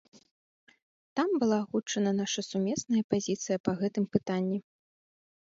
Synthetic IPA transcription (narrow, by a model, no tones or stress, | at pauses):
t̪ambɨlˠaːɣut͡ʂːɐnɐnaʂɐsumʲɛsnɐjɐpazʲit̪sɨjɐpɐɣɛt̪ɨmpɨt̪anʲːi